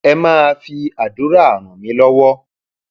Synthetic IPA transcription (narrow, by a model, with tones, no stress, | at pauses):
ɛ˧mãː˦˧fi˧a˨du˨˦ɾa˦˨a˨ɾ̃ɔ̃˨mĩ˨˦lɔ˦wɔ˦